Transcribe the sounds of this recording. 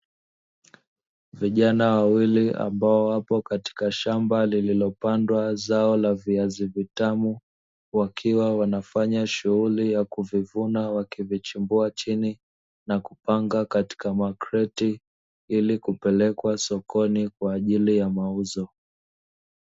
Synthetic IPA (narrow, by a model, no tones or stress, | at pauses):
viʄanawawiliʔa̰mbaɔwapɔkati̥kaʃambalililɔpandwazaɔlaviazivitamu | wakʰiwawanafaɲaʃuɣulijakuvivunawakivit͡ʃimbuat͡ʃini | nakupaŋɡakati̥kamakɾɛti | ilikupɛlɛkwasɔkʰɔnikwaːʄilijamauzɔ